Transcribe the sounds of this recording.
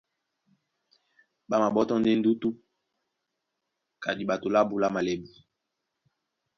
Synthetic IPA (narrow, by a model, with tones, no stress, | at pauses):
ɓa˦ma˨ɓɔ˦tɔ˦n˦de˦n̩˦du˦tu˦ | ka˨di˨ɓa˨to˨la˦bu˦la˦ma˨le˨bi˨